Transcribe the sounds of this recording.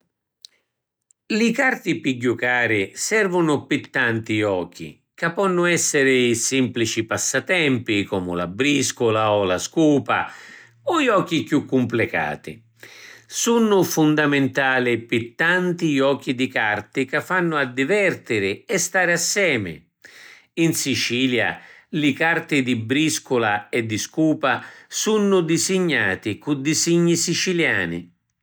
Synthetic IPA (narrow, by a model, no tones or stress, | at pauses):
lɪkart̪ipiɟːukaːɾɪsɛrvʊnʊpit̪ːant̪iɔːk̟ḭ | kapːɔnːʊɛsːɪɾɪisimplit͡ʃipasːat̪ɛmpikɔːmʊ̰la̰bːɾiskʊlaɔlaskuːpa̰ | ɔiɔːk̟ːikjukːʊmplɪka̰ːt̪ḭ | sunːʊfund̪amɪnt̪aːlɪpɪt̪ːant̪iɔːk̟ːid̪ikart̪ɪkafːanːʊad̪ːivɛrt̪ɪɾɪɛst̪aːɾɪasːɛːmɪ̰ | insit͡ʃiːlja̰lɪkart̪ɪd̪ibɾiskʊlaɛd̪ːiskuːpasunːʊd̪izɪɲːa̰ːt̪ɪkud̪isiɲːisit͡ʃilja̰ːnḭ